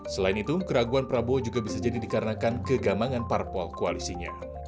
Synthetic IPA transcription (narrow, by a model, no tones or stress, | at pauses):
səlainit̪ukəɾaɡuanpəɾabod͡ʒuɡabisad͡ʒadidikaɾənakankəɡamaŋanparpɔlkoalisiɲa̰